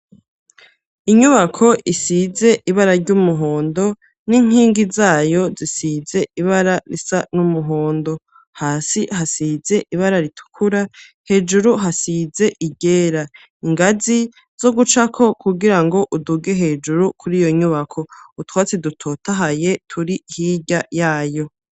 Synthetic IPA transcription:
iɲuβakʰo̞ʔisize̞ʔiβaɾaɾɟumuɦo̞ːndo̞ | niŋ̥iːŋɡizaːjo̞zisize̞ʔiβaɾaɾisanumuɦo̞ːndo̞ | haːsihasize̞ʔiβaɾaɾitʰu̥kʰuɾa | he̞ːd͡ʒuɾuɦasize̞ʔiɟeːɾa | iŋɡazi | z̥o̞ɡut͡ʃakʰo̞kʰuɡiɾaŋɡo̞ʔuduɡe̞ɦe̞d͡ʒuɾukʰuɾijo̞ɲuβakʰo̞utwaːt͡sedutʰo̞taɦaje̞tʰuɾihiɟajaːjo̞

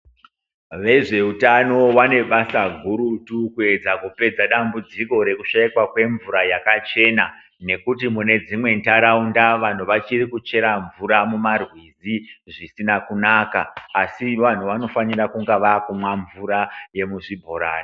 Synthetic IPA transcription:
ʋe̞ʐe̞utano̞wane̞ɓasaɡʱuɾutukue̞d͡zakupe̞d͡zaɗambud͡ziko̞ɾe̞kuʃaikwakwe̞ɱvuɾajakat͡ʃe̞na | ne̞kut̬imune̞d͡zimwe̞ntaɾaundaʋan̤uʋat͡ʃirikut͡ʃe̞ɾaɱvuɾamumarwiziʐisinakunaka̰ːsiʋan̤uʋano̞fanirakuŋɡaʋakumwaɱvuɾaje̞muʐibʱo̞ɾa̰ːni

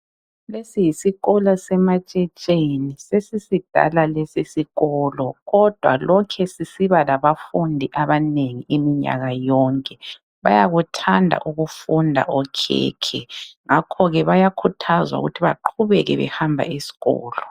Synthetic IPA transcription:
lesijisiɣɔlasɛmat͡ʃʼɛt͡ʃʼenisesisid̥ʱa̰lalesisiɣɔlɔɣɔd̥ʱwa̰lɔkʰɛsisiβalaβafundʱiʔaβaneŋiimiɲa̰ɣajɔːŋkʼɛ | βajaɣutʰandʱa̰ʔuɣufundʱa̰ʔɔkʰɛ̰ːkʰɛŋakʰɔɣɛβajakʰutʰazwa̰ṵɣutʰiβa̰ǃʰuβɛɣɛ̰βɛ̰hambʱa̰isi̥ɣɔ̰ːlɔ

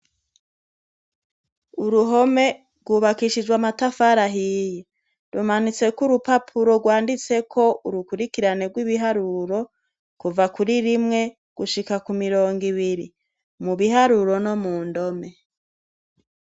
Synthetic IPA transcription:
uɾuɦo̞me̞ | ɾɡwuːβakiʃid͡ʒɡwamatafaɾaɦije | ɾumanit͡se̞kuɾupapʰuɾo̞ɡwaːndit͡se̞kʰo̞ʔuɾukuɾikiɾaneɾɡwiβiɦaɾuɾo̞ | kuvakuɾiɾimŋe̞ | ɡ̥uʃikakumiɾo̞ːŋɡiβiɾi | muβiɦaɾuɾo̞no̞muːndo̞me̞

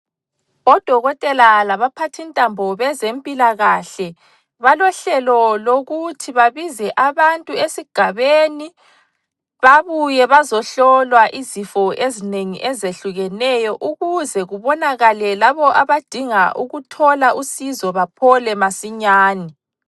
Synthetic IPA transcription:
ɔd̥ʱɔɣɔtʼɛlalaβapʰatʰintʼambʱɔβɛzempʼilaɣaɬɛ | βalɔɬɛlɔloɣutʰiβaβizɛʔaβantʼuesiɡ̥ʱaβeni | βaβujɛβazɔɬɔlwaʔizifɔʔezineŋḭʔezeɬuɣɛnɛjɔʔuɣuzɛɣuβɔnaɣalɛlaβɔʔaβad̥ʱiŋaʔuɣutʰɔlaʔusizɔβapʰɔlɛmasiɲaːni

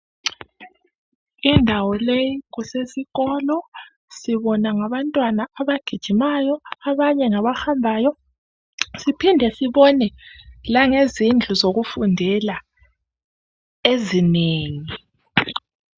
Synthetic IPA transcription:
indʱawɔlejiɣusesiɣɔlɔ | siβɔnaŋaβantʼwanaːβaɡ̥ʱid̥ʒ̥ʱimajɔaβaɲɛŋaβaxambʱaːjɔ | sipʰindʱɛsiβɔnɛlaŋezind͡ɮʱuzoɣufundʱɛla | ezineːŋi

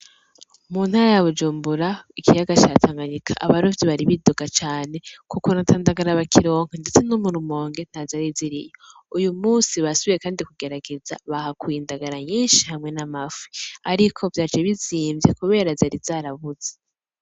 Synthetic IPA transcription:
muːn̥haɾajaβud͡ʒuːmbuɾaikʰijaɡat͡ʃatʰaːŋɡaɲikʰaʔaβaɾovjiβaɾiβidoɡat͡ʃaːne̞kukonatʰaːndaɡaɾaβakʰiɾo̞ːŋ̥ande̞t͡se̞nomuɾumo̞ːŋɡe̞n̥hazaɾiziɾḭjo | ujumuːnsiβasoβijekaːndikuɡe̞ɾaɡe̞za̰βahakwiːndaɡaɾaɲiːnʃihamŋe̞namaviaɾikʰo̞vjaːd͡ʒeβiziːmvjekuβe̞ːɾazaɾiz̥aɾaβuz̥e̥

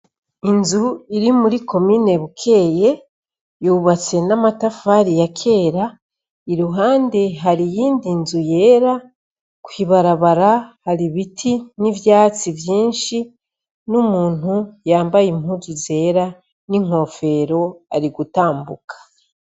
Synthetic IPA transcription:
inzuiɾimuɾiko̞miːne̞βukʰe̞ːje̞ | juːβat͡se̞namatafaɾijakʰe̞ːɾa | iɾuɦaːnde̞ɦaɾijiːndinzuje̞ːɾa | kwiβaɾaβaɾahaɾiβitʰinivjaːt͡sivjiːnʃi | numuːn̥hujaːmbajimhuɾize̞ːɾa | niŋ̥o̞ːfe̞ɾo̞aɾiɡutaːmbṵkʰḁ

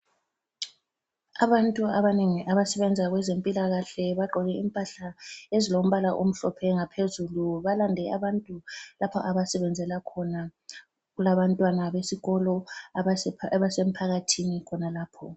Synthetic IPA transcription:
aβantʼuaβaneŋiʔaβasɛβɛnd͡zʱaɣwɛzempʼilaɣaɬɛβaɡ͡ǃʱɔɣɛimpʼaɬaezilom̩βalaʔom̩ɬɔpʰɛŋapʰezuluβalandʱɛaβantʼulapʰɔ̰ʔaβasɛβɛnd͡zʱɛlakʰɔna | ɣulaβantʼwanaβesiɣɔlɔ | βasem̩pʰaɣatʰinikʰɔnalaːpʰɔ

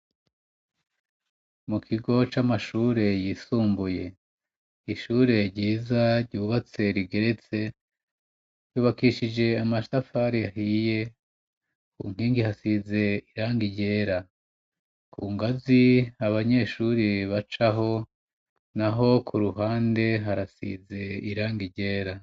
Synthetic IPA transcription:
mukʰiɡo̞t͡ʃamaʃuːɾe̞jiːsuːmbuje̞ | iʃuːɾe̞ɾɟiːzaɾɟuːβat͡se̞ɾiɡe̞ɾe̞t͡se̞ | juːβakiʃid͡ʒe̞amasafaɾijahije̞ | kṵːŋ̥hiːŋɡihasize̞iɾaːŋɡiɟe̞ːɾa | kʰuːŋɡaziaβaɲe̞ʃuːɾiβat͡ʃaɦo̞ | naɦo̞kʰuɾuɦaːnde̞ɦaɾasḭze̞iɾaːŋɡiɟe̞ːɾa

